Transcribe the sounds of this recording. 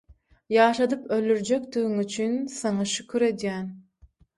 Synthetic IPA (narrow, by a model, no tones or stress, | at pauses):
jɑːʃɑd̪ɯpøld̪yɾd͡ʒekd̪yɣyŋyt͡ʃʰynsɑŋɑʃykʲʰyɾe̞d̪jæːn